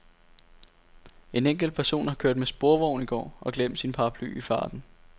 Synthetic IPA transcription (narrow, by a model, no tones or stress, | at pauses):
e̝neŋ̰ɡ̥l̩̚pʰæɐso̝̰ːnhɑ̈kʰøɐ̰d̥mesb̥o̝ɐʋɒʊ̰niɡ̥ɒ̰ːʔɒ̽ɡ̥lem̰d̥sinpʰɑ̈pʰly̰ːifɑ̈ːd̥n̩